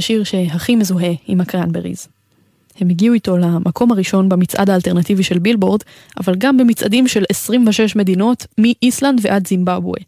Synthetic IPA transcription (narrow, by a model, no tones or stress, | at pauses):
ʃiʁʃe̞ɦaχimezuɦe̞imakanbeʁḭz | he̞meɡiuito̞lamʔakʰo̞mhaʁiʃo̞nbemit͡sʔa̰d̪aːlte̞ʁnat̪iviʃe̞lbilbo̞ʁd̪ | ʔa̰valɡambe̞mit͡sʔa̰dimʃe̞lesʁimvaʃe̞ʃme̞d̪ino̞tmiʔisland̪veʔadzimbabwḛ